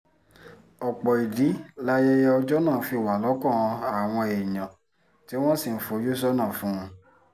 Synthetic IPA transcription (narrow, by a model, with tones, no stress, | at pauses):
ɔ˨k͡pɔ˨i˨di˨˦la˦jɛ˦jɛ˦ɔ˧d͡ʒɔ˦nãː˦˨fi˧˨wa˨lɔ˨˦kɔ̃˦˨ɔ̃˧a˦˨w̃ɔ̃˧e˨jã˨ | ti˨˦w̃ɔ̃˦si˦˨n̩˦fo˧˦jo˦s̬ɔ˦nã˦˨fũ˦ũ˧